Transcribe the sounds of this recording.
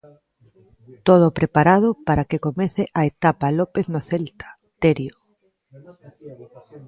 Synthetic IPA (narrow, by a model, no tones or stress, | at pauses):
t̪oð̞opɾepaɾað̞opaɾakekomeθeʔaet̪apalopeθnoθelt̪ḁ | t̪eɾjo